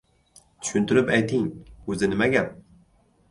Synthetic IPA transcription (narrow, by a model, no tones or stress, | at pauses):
t̪ʰy̥ʃynt̪ʰyɾɪpɛjt̪ʰiŋɵzɪnɪmɛɡʲæp̚